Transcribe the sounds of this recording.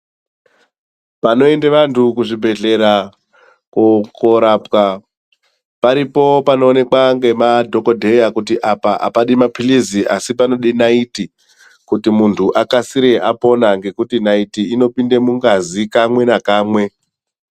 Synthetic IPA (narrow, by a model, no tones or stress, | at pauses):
pano̞e̞ndeʋantʰukuʐibʱe̞ɮe̞ɾa | kokoɾapka | paɾipo̞pano̞ːne̞kwaŋɡe̞madʱo̞ko̞dʱe̞jakutiʔapaʔa̰paɗimapiliziʔasipano̞ɗinaiti | kutimuntʰuʔakasiɾeʔapo̞naŋɡe̞kutinaitiːno̞pinde̞muŋɡazikamwe̞nakaːmwe̞